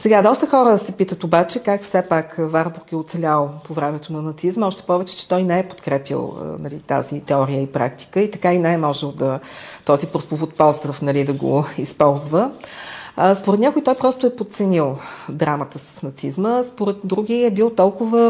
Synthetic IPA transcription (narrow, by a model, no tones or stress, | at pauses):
sɛɡad̪ɔst̪əxɔɾəsɛpit̪ət̪obat͡ʃɛkakfsɛpakvaɾbuɾkɛot̪sɛlʲalˠpovɾɛmɛt̪onɐnɐt̪sizmɔʃt̪ɛ̥pɔvɛt͡ʃɛ̥t͡ʃɛ̥t̪ɔjnɛɛpo̥t̪kɾɛpḭlˠə̰nɐlḭt̪a̰zit̪ɛɔɾijəipɾa̰kt̪i̥kəit̪ɐkainɛɛmɔʒɛlˠd̪ɐt̪ɔzipɾospovot̪̚pɔzsd̪ɾəfnɐlid̪ɐɡo̰ispɔlˠzvə | spoɾɛt̪nʲakoit̪ɔjpɾɔst̪ʊɛpot̪sɛnilˠd̪ɾamət̪əsə̥snɐt̪sizməspoɾɛt̪d̪ɾuɡʲiɛbilˠt̪ɔlˠkʊvə